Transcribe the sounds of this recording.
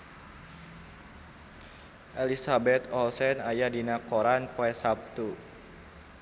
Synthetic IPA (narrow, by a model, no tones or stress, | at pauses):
ʔelisabɛt̪ɔlsɛnajadinakoɾanpoɛsap̚t̪u